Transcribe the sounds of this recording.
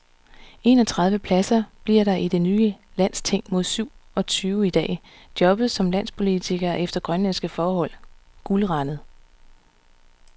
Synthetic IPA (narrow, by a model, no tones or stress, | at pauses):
e̝nɒ̽t͡sʰʁɑ̈ð̞ˠʋəpʰlæsɐb̥liɐ̰ɾɑ̈ʔid̥e̝nyːə | læn̰st͡sʰe̝ŋ̰mo̝ð̞̰ˠsyʊ̰ɒ̽t͡sʰyːʊid̥ɛ̰ː | d̥jɒ̽b̥ð̞̩ˠsɒ̽mlæn̰spʰo̝lit͡sʰiɡ̥ɐːʔefd̥ɐɡ̥ʁɶnlensɡ̥əfɒːhɒ̽l̰ɡ̥ulʁɑ̈nəð̩ˠ